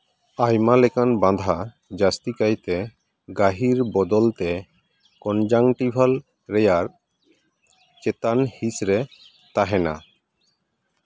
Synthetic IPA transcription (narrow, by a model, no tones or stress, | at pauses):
ajmalekʰanbãd̪ʱa | d͡ʒast̪ikajt̪e | ɡaɦiɾbɔd̪ɔlt̪e | kɔnd͡ʒaŋʈibʱal | ɾejaɾ | t͡ʃet̪anhisɾe | t̪aɦena̰